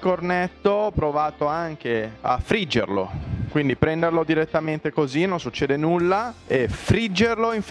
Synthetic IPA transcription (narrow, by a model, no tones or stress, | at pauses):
kornɛt̪ːopɾovaːt̪oaŋk̟ea̰fɾid͡ʒːḛrlo̰kwind̪ipɾɛnd̪erlod̪iɾet̪ːament̪ekozinonsut͡ʃːeːd̪enulːaefɾid͡ʒːerloiɱf